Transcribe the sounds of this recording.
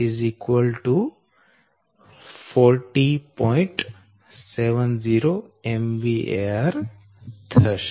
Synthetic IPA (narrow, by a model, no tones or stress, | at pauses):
izikwəlʈu | fɔɾʈipɔ̃jɪ̃ɳʈ | seʋənziːɾoemʋiʔeaɾ | t̪ʰəʃ